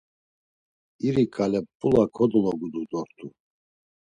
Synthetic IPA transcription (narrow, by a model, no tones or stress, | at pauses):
iɾikʼalɛpʼːulakʰɔd̪ɔlɔɡud̪ud̪ɔɾt̪ʰʼu